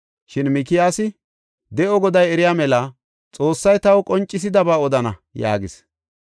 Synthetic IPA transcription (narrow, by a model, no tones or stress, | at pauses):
ʃɪnmɪkɪjaːsɪ | d̪ɛʔɔɡɔd̪ɐjɛɾɪjaːmɛlɐ | t͡sʼoːsːɐjt̪ɐwkʼɔnt͡ʃʼːɪs̬ɪd̪ɐbaːɔd̪ɐnɐja̰ːɡɪs